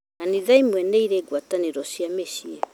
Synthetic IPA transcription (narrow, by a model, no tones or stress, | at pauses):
naniðaimwɛnɛiɾɛːɡwataneɾɔsiameʃiɛ